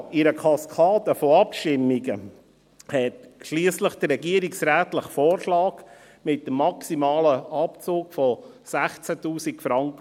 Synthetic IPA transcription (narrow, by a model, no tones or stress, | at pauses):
ɪɾəkʰɑskʰɑːd̪əfɔɑpʃtɪmːiɡə | hɛtʃliəsləχd̥ərːɛɡiəɾiksɾæːtləχfoːɾʃlɑːɡ̥ | mɪt̚dəmːɑksimɑːləɑpt͡suːkfɔ | sæχt͡sætuːsikfɾɑŋkə